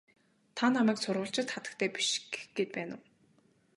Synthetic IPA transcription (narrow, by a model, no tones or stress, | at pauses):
t̪ʰanamæːksʊrʁʊ̆ɬt͡ɕɪ̆t̪χat̪ə̆kt̪ʰæːpi̥ʃɡɡ̥et̪̚pæːnə̆w